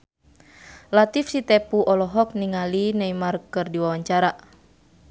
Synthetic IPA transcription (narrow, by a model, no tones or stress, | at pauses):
lat̪ifsit̪ɛpuʔɔlɔɦɔk̚niŋalinaimarkɨrdiwawaɲt͡ʃaɾa